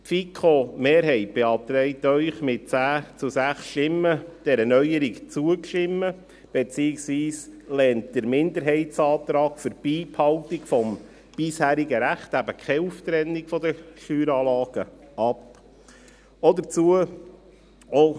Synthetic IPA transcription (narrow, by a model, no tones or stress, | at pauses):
tfikʰχomeːɾɦɛɪt̚b̥eɑp̚t̪ɾɛɪtœʏχmɪt̚t͡sæːt͡susæχsʃtɪmːəd̥ɛɾənœʏjəɾikt͡suəkʃtɪmːə | b̥ɛt͡siːɪksʋiːslɛːntd̥əɾmɪnd̪əɾɦɛɪtsɑːt̪ɾɑːɡ̥fəɾb̥iːphɑwt̪ikfɔm | b̥ɪshæːɾiɡəɾæχtæbəkʰɛuft̪ɾɛnːikfɔdəʃyːɾɑːlɑːɡ̥ə | ɑp | ɔdət͡suə | o